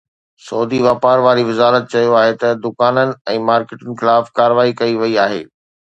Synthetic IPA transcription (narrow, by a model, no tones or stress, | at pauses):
sɔːd̪iʋaːpaːɾʋaːɾiʋɪzaːlət̪̚t͡ɕɐjoaːɦet̪ɐd̪ʊkaːnənɪ̆ɛ̃ːmaːɾkɪːʈənɪ̆xɪlaːfkaːɾəʋaːikɐiʋɐiaːɦḛː